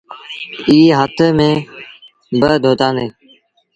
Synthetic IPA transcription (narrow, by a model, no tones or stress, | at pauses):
iːɦət̪ʰmẽː | bəd̪ʱoːt̪ãːnd̪eː